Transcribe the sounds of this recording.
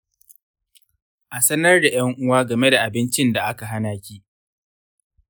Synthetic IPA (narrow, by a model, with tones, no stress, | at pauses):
ʔa˨sɐ˦nɐ˦rda˨jɐ˦ŋʔʊ˦waː˦ɡɐ˨me˦da˨ʔa˨bɪ˦nt͡ʃɪ˦nda˨ʔa˦ka˨ɦa˦naː˨kʲiː˦ʔ